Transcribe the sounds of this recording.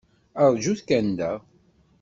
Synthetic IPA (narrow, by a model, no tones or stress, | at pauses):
əɾˤd͡ʒuθkænd̪æ